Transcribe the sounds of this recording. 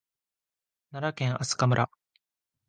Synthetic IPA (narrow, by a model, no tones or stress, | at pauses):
naɾakẽ̞ŋ̃ʔasɨ̥kamɯ̟ɾʔa